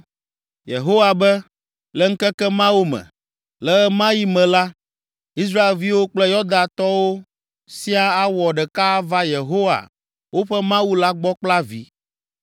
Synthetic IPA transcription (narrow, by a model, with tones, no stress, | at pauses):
jḛ˨ɦo˦wa˨bɛ˦ | lɛ˦ŋ̩˦kɛ˦kɛ˦mã˦wo˦mɛ̰̃˨ | lɛ˦ɛ˦mã˦ji˦mɛ̃˨la˦ | i˦s̬ɾa˦e˨lvi˦wo˦k͡plɛ˦jɔ˦d̪ã˨t̪ɔ˦wo˦ | si˦a˦a˦wɔ˨ɖɛ˨ka˦va˦je˨ɦo˦wa̰˨ | wo˦ɸɛ˦mã˦wu˦la˦ɡ͡bɔ˦k͡pla˦vi˦